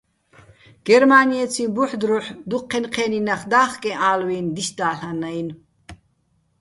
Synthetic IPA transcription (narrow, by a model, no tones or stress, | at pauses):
ɡ̥ɛɾmaniɛt͡sʰibuħd̪ɾuħd̪uqʰːɛnqʰɛninaχd̪aːχkʼɛ̃ʔaːlwiːnd̪iʃd̪aːɬanajn